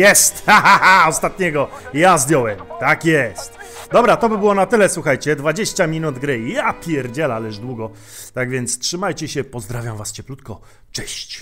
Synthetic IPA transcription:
jɛst̪aɦaaɔst̪at̪ɲɛɡɔ | jazd̪ʲjɔwɛmt̪akjɛst̪d̪ɔbɾat̪ɔbɘbɘwɔnat̪ɘlɛswuxajt͡ɕɛd̪vad͡ʑeɕt͡ɕamʲinud̪ɡɾɘjapʲjɛɾd͡ʑɛlalɛʐd̪wuɡɔ | t̪aɡvʲjɛnt̪stʂɘmajt͡ɕɛɕɛpɔzd̪ɾavʲjamvast͡ɕɛplut̪̚kɔ | t͡ʂɛɕt͡ɕ

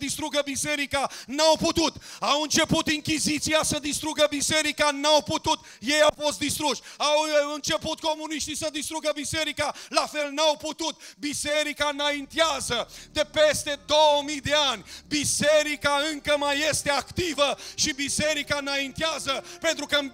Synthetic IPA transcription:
d̪ist̪ɾuɡəbise̞ɾikanawput̪ut̪awɨnt͡ʃe̞put̪iŋkʲizit̪siasəd̪ist̪ɾuɡəbise̞ɾikanawput̪ut̪ | je̞jawfo̞st̪̚d̪ist̪ɾuʃawɨnt͡ʃe̞put̪ko̞muniʃt̪isəd̪ist̪ɾuɡəbise̞ɾikalafe̞lnawput̪ut̪̚biseɾikanaint̪iazəd̪e̞pe̞st̪e̞d̪o̞wəmijd̪e̞anʲbise̞ɾikaɨŋkəmajːe̞st̪e̞akt̪ivəʃibise̞ɾikanaint̪iazəpent̪ɾukəɨ

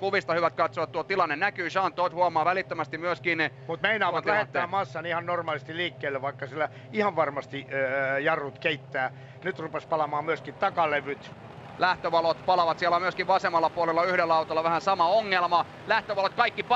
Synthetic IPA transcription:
kuʋist̪ɑhyʋæt̪̚kɑt̪soʋɑt̪t̪uot̪ilɑnːennækyːʃɑːnt̪ːˑoit̪huɑmɑːʋælit̪ːømæst̪imyøskiːnemut̪meinɑːʋɑt̪læhet̪ːæːmɑsːɑnihɑnnormɑːlis̆t̪iliːkːeːlːeʋɑikːɑsilːæ | ihɑʋʋɑrmɑst̪ijɑrːut̪keit̪ːæː | nyt̪rupespɑlɑmɑːmyøskit̪t̪ɑkɑleʋyt̪ | læht̪øʋɑlot̪pɑlɑʋɑt̪siælːˑæmyøskiʋʋɑsemɑlːɑpuolelːɑyhɾelːæɑut̪olːɑʋæhænsɑmɑoŋːelmɑ | læht̪øʋɑlot̪̚kɑikːip

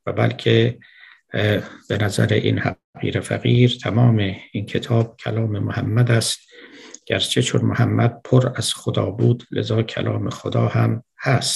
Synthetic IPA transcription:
væbæ̰lkʰe | b̥enæzæɾeʔḭnhæ̰ | ɣḭːɾefæ̰ɣiːɾt̪ʰæmɒːmeiːnkʰe̞t̪ʰɒːb̥̚kʰælɒːme̞mohæmːæd̪æst̪ɟ̥æɾt͡ʃʰet͡ʃʰonmohæmːæd̪̚pʰoɾæz̥xod̪ɒːbuːd̪lḛzɒːkʰæ̰lʔɒːme̞xod̪ɒːhæm | hæst̪

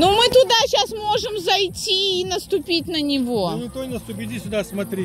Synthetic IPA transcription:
numɨt̪ʊd̪aɕasmo̞ʐɨmzɐjtʲiːnəst̪ʊpʲitʲnənʲɪvo̞nʲɪt̪ojnəst̪ʊpʲɪdʲisʲʊd̪asmɐt̪ɾʲe

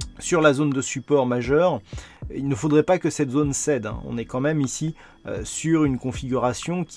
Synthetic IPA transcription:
syʁlazond̪əsypɔʁmaʒœʁilnəfod̪ʁɛpakəsɛt̪zonsɛd̪ɛ̰̃ɔ̰̃nɛkɑ̃mɛmisi | ø̰syʁynkɔ̃fiɡʲyʁasjɔ̃kʲ

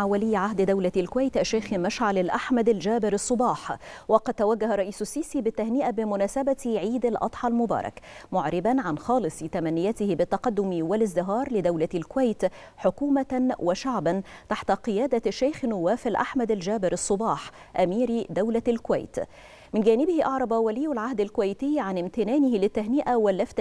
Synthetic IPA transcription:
ʕawalɪjːʕaɦd̪d̪awlaalkʊwajt̪ʔaʃːajxmaʃʕalalʔaħmad̪ald͡ʒaːbɪɾɑsˤːʊbɑːħwɑqɑd̪̚t̪ːawaɡːaharˤːɑʔiːsasːiːsiːbɪt̪ːahnɪʔabɪmʊnaːsabat̪ʕiːd̪alʔɑ̰t̪ˤħɑlmʊbɑ̰ːɾˤɑ̰kmʊʕɾɪbanʕanxɑːlɨsˤɨt̪amanːɪjat̪ɪhɪbɪt̪ːɑqɑd̪ːʊmwalɪzd̪ɪɦɑːɾˤlɪd̪awlalkʊwajt̪ | ħʊkuːmawaʃaʕban | t̪aħt̪aqɨjaːd̪aʃːajxnʊwːaːfɪlʔa̰ħmad̪ald͡ʒæːbɪɾɑsˤːʊbɑːħ | ʔamiːɾd̪awlalkʊwa̰jt̪ | mɪnɡæːnɪbɪhɪʔɑʕɾˤɑbɑwaliːʊlʕahd̪alkʊwajt̪ɪjːʕanɪmt̪ɪnaːnɪhɪlɪt̪ːaɦnɪʔawalːaft̪

